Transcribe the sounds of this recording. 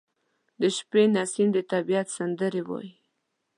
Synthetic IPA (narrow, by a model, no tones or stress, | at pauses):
d̪əʃpenasind̪ət̪abijat̪sand̪əɾewɑ̰ji